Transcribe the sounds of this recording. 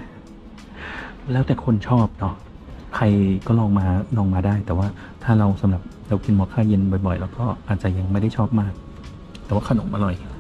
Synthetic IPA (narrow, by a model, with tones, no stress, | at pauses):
lɛː˦˥wt̪ɛː˨˩kʰo˧nt͡ɕʰɔː˥˩p̚nɔ˦˥ | kʰa˧jkɔː˥˩lɔː˧ŋmaː˧lɔː˧ŋmaː˧daː˥˩jt̪ɛː˨˩waː˥˩ | t̪ʰaː˥˩ɾa˧wsa˨˦mɾa˨˩p̚ɾa˧wki˧nmɔː˧˩kʰaː˥˩je˧nbɔ˨˩jbɔ˨˩jlɛː˦˥wkɔː˥˩ʔaː˨˩t̪̚t͡ɕa˨˩ja˧ŋma˥˩jda˥˩jt͡ɕʰɔː˥˩p̚maː˥˩k̚ | t̪ɛː˨˩waː˥˩kʰa˧no˩˦mʔa˧ɾɔ˨˩j